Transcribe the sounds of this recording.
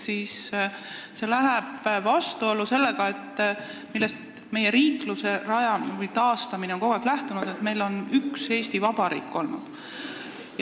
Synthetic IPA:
siːs | se̞læɦeb̥vɑst̪uo̞luse̞lːe̞ɡ̥ɑe̞t̪ː | milːe̞st̪ | me̞je̞ɾiːkluse̞rɑjɑvɯjt̪ɑːst̪ɑmineo̞nko̞ɡeklæht̪unud̪̥e̞t̪me̞jlo̞nykse̞ːst̪ivɑb̥ɑɾḭːkːo̞lnud̪̥ | j

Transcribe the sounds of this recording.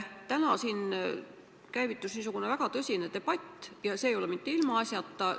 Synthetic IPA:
t̪ænɑsiːn | kæjvit̪ːˑusniːs̬uɡ̥une̞væɡ̥ɑt̪ɤsʲine̞t̪e̞b̥ɑt̪ʲːˑjɑseːjo̞lemit̪ːeilmɑɑsʲjɑt̪ːɑ

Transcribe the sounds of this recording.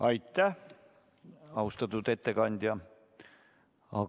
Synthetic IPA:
ɑjt̪ːˑæh | ɑust̪ɑt̪ːˑud̪e̞t̪ːe̞kɑnʲd̪̥ʲjɑ | ɑ

